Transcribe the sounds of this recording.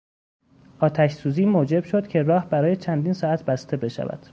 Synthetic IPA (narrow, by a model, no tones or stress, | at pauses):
ʔɒːt̪ʰæʃsuːziːmoːd͡ʒe̞b̥ʃo̞d̪̥cʰe̞rɒːhbæɾɒːjet͡ʃʰænd̪iːnsɒːæt̪ʰbæst̪ʰe̞be̞ʃæ̰væ̰d̪̥